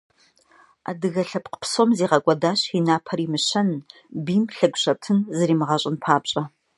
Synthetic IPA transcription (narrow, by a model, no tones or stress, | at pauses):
a̰ːdɨɣɐɬɐpqə̥psomziːʁɐkʷʼɐdaːɕinaːpʰɐriːmɨɕɐn | biːmɬɐɡʷɕɐp̚tʰɨnzɨriːmɨʁɐɕʼɪnpʰaːpɕʼɐ